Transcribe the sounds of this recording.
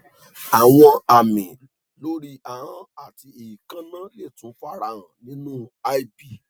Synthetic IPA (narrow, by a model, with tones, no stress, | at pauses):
a˨w̃ɔ̃˧a˨mĩ˨ | lo˦ɾi˧ʔa˨hã˨˦a˦˨ti˧e˨i˨kã˦nã˦le˦˨tũ˨˦fa˦ɾa˧ɾ̃ã˨nĩ˦nũ˦a˦i˦bi˦˨